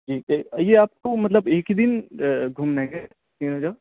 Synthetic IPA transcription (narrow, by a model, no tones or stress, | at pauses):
d͡ʒiːt̪ejeaːp̚komɐt̪ləbeːkd̪ɪnɡʱʊmnɛ̃ːɡe | siːnɦoːd͡ʒaː